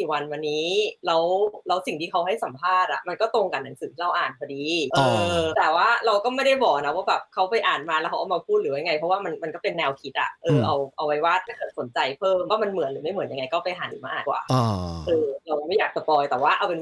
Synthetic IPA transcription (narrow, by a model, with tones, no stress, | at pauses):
iː˨˩wa˧nwa˧nːiː˦˥lɛ˦˥wlɛː˦˥wsi˨˩ŋt̪ʰiː˥˩kʰa˦˥wɦa˥˩jsa˨˩˦mpʰaː˥˩t̪̚ʔa̰˨˩ma˧nkɔː˥˩t̪o˧ŋka˨nːa˩˦ŋsɯː˨˦t̪ʰiː˥˧a˧wʔaː˨˩nkʰɔ˧diː˧ʔɤː˧t̪ɛː˨˩waː˥˩ɾa˧wkɔː˥˩ma˥˩jda˥˩jbɔː˨˩k̚na˦˥waː˥˩bɛː˨˩p̚kʰa˦˥wpa˧jʔaː˨˩nmaː˧lwkʰʔa˨˧˩maː˧pʰuː˥˩t̪̚ɾɯː˩˦wa˦jŋa˧jpʰɔ˦˥waː˥˩ma˧nma˧nkɔː˥˩pe˧nːɛː˧wkʰi˦˥t̪̚ʔa̰˨˩ʔɤː˧ʔa˧wʔa˧wa˦˥jwaː˥˩t̪ʰaː˥˩kɤː˨˩t̪̚so˨˩˦nt͡ɕa˧jpʰɤː˥˩mwaː˥˩ma˧nmɯ˨˩˦ənlɯː˨˩˦ma˥˩m˨˩˦nja˧ŋːa˧jkɔ˥˩pa˧jʔaː˩˦njṵ˨˩ma̰ː˥˧˥kwa̰ː˨˩ʔʔɤː˧ɾa˧wma˥˩jaː˨˩k̚t͡ɕa˧t̪ɔː˧jt̪ɛː˨˩waː˥˩ʔa˧wpe˧n